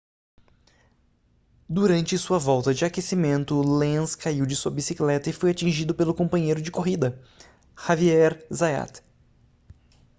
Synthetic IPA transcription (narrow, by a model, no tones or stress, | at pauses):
d̪uɾɐ̃nt͡ʃɪsuɐvɔwt̪ɐd͡ʒɪakesimẽnt̪ʊlẽskaiwd͡ʒɪsuɐbisiklɛt̪ɐɪfojat͡ʃĩʒid̪ʊpelʊkõmpɐ̃ɲejɾʊd͡ʒɪkoɦid̪ɐ | haviɛɾzaja̰t̪